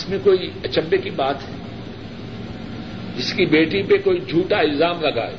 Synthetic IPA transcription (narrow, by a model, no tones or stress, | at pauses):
smẽkoːiɐt͡ʃəbːekibaːt̪ɦɛ | d͡ʒɪskibeːʈipekoːid͡ʒʱuːʈaɪlzaːmlɐɡa̰ːḛː